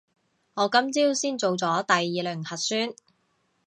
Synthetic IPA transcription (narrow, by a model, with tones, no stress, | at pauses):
ŋɔː˨˧kɐ˥mt͡siː˥wsiː˥nt͡so˨wt͡sɔː˨˥t̪ɐ˨jːiː˨˧lœː˨˩ŋhɐ˨t̚syː˥n